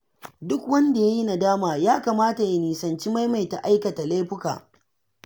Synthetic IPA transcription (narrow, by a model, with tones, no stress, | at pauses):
dʊ˦kwɐ˦nda˨ja˦ji˦na˨daː˦maː˨jaː˦kaː˨maː˦ta˨ja˨niː˨sɐ˨nt͡ʃi˦ma˦jma˨jta˨ʔa˦jkɐ˨ta˨la˦jɸʊ˦ka̰ː˨